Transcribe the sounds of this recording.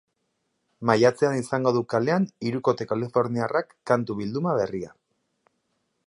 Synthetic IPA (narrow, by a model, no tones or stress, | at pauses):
majat͡se̞anisaŋɡo̞ðukale̞aniɾuko̞t̪ekalifo̞ɾniarakːant̪uβild̪umaβe̞ria̰